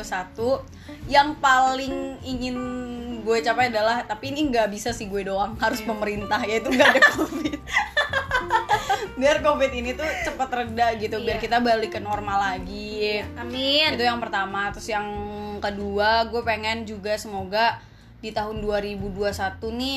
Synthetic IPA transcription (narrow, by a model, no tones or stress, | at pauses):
asat̪u | jaŋpalɪŋiŋɪnɡuɛt͡ʃapajadalaht̪apiːniŋɡaʔbisasɪhɡuɛdoaŋɦaɾʊspəməɾint̪ahjait̪uŋɡadakofɪt̪̚ | biarkofɪt̪init̪ut͡ʃəpət̪rədaʔɡit̪ubiarkit̪abalikənormalaɡi | nɪit̪ujaŋpərt̪amat̪ɾʊsjaŋkəduaɡuɛpeŋɛnd͡ʒuɡasəmoɡa | dit̪aɦʊnduaɾibuduasat̪unɪ